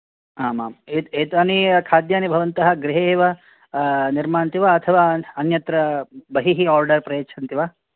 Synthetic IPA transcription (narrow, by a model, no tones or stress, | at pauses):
aːmaːmet̪eːt̪ɐnikʰaːd̪jaːnibʱɐʋɐnt̪ɐɦɐ̆ɡɾiɦeːʋɐ | niɾmaːnt̪iʋaɐt̪ʰɐʋaːɐnjɐt̪ɾɐbɐɦiɦiaːɾɖɐɾpɾɐjeːt͡ʃʰɐnt̪iʋaː